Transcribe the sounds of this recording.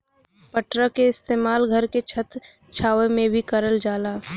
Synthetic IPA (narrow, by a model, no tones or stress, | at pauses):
pəʈɾəkeɪst̪eːmaːlɡʱəɾket͡ʃʰət̪ | t͡ʃʰaːʋemẽbʱikəɾəld͡ʒaːlaː